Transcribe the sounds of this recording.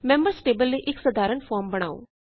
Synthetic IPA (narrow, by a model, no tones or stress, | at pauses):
mɛ̃mbəɾsʈeːbəlːeːʔɪksəd̪ʱaːɾənpʰɔːɾmbɐɽ̃aːo̰ː